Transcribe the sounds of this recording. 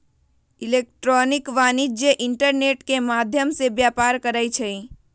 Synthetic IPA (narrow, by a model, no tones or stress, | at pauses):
ɪleːk̚ʈɾɔːnɪkʋaːnid͡ʒjəʔɪɳʈəɾneːʈkemaːd̪ʱjəmsebjaːpaːɾkəɾəjt͡ʃʰəi